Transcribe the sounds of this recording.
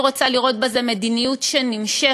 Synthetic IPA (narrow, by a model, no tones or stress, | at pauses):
ʁot͡saliʁo̞t̚beze̞med̪inijutʃenimʃe